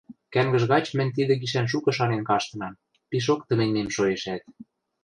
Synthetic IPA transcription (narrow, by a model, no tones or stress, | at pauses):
kæŋɡə̆ʒɣɑt͡ɕmɘ̆nʲt̪̬id̪ĕɡiʃ̬ænʃ̬ukɤ̆ʃɑnenkɑʃt̪ɤ̆nɑm | piʃ̬okt̪ə̆mĕnnemʃojeʃæt̪̚